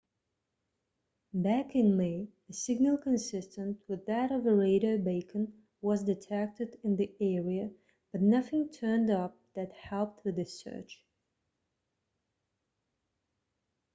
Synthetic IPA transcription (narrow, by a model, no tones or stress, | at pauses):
bækɨ̃nmeɪðɨsɪɡ̚nəlˠkʰɨ̃nsɪstə̃nt̚wɨðɨɾʌvəɹeɪɾiəbeɪkʰɨ̃n | wʌzdɨtʰɛk̚tɨɾɨ̃nðiʔɛɹiɨ | b̥ʌtⁿnʌθɪ̃ŋtʰɜ̃˞ndʌp̚ðɨt̚hɛlˠp̚t̚wɨðɨsɜ̰˞t͡ʃ